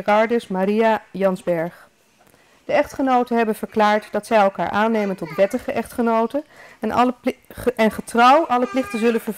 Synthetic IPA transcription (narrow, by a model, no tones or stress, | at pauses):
rɑɹdəsmaɾijajɑnzbɛɹχ | d̥əɛχtχənowtənɦɛbənv̥əɹklaːɹtd̥ɑtsɛjɛlˠka̰ːɹʔaːnejməntɔtʋɛtəχəʔɛχtχənowtənɛn | ɛnχətrɑwʔɑləplɪχtənzɵlənvəɹ